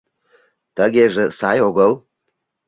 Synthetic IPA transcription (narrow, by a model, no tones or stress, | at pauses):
t̪əɡʲeʒə̆sɑjoɣəl